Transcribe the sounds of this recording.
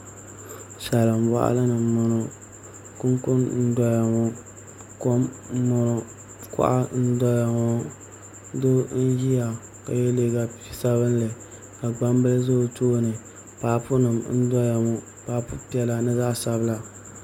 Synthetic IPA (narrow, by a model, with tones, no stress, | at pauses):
ʃɛ˨lɨ˨m˦wa̰˨ʔa̰˦lɨ˦nɨ˨mʊ˨nɔ˨ | kʊ˦ŋkʊ˦nn̩˦dɔ˦ja˨ŋo˦ | ko˦m˦mʊ˨nɔ˨ | kʊ̰˦ʔa̰˦n̩˦dɔ˦ja˨ŋɔ˦ | do˦n̩˦ji˦ja˨ | ka˨jɛ˦le˦ɡa˦˨sa˦βɨ˦n˦lɨ˨ | ka˨ɡ͡ba˦m˦bɨ˦lzo˦˨toː˦nɨ˨ | paː˨pʊ˦nɨ˨mn̩˦dɔ˦ja˨ŋʊ˦ | paː˨˦pʊ˦pi˦ɛ˦la˨nɨ˦za˦˨sa˨bɨ˦la˨